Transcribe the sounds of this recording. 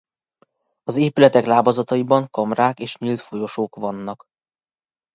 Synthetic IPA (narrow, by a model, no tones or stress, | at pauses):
ɒzeːpylɛt̪ɛklaːbozɒt̪ɒjibɒŋkɒmraːkeːʃɲilt̪fo̞jo̞ʃoːkʋɒnːɒk